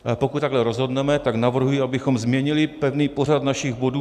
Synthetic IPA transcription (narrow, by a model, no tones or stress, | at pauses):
pokut̪t̪ːaɡlɛɾozɦo̞d̪nɛmɛt̪aɡnavr̩ɦujɪabɪxomzmɲɛɲɪlɪpɛvniːpo̞rad̪naʃɪɣbo̞duː